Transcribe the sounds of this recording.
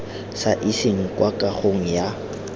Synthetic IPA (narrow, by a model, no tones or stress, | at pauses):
saʔisɪŋ̩kʼwakʼaχoŋ̩ja